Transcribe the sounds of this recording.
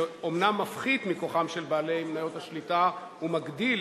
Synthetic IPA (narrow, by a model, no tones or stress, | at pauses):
omnamːafχid̪mikoχamʃelbaːlejmnajothaʃlita | umaɡdil